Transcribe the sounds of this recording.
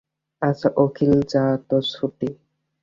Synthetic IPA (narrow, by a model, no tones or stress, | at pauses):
asaʔokʰild͡ʒat̪ɔsuʈi